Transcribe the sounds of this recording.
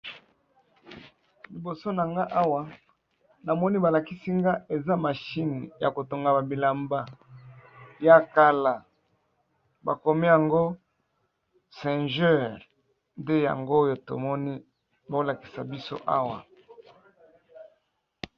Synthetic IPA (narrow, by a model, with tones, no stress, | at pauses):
li˨bo˨so˦na˨ŋɡa˦ʔa˦wa˨ | na˨mɔ˦ni˦ba˨la˨ki˦si˦ŋɡa˦ʔe˨za˦ma˨ʃi˦ni˨ja̰˨ko˨to˨ŋɡa˨ba˨bi˨la˨mba˦ | ja˦ka˦la˨ | ba̰˨ko˨mi˦ja˨ŋɡo˦ | sɛ̃˨nʒɛ˦˨ʁ | nde˦ja̰˨ŋɡo˦jo˨to̰˨mɔ˦ni˦ | bo˦la˨ki̥˨sa̰˨bi˦so̰˦ʔa̰˦wa̰˨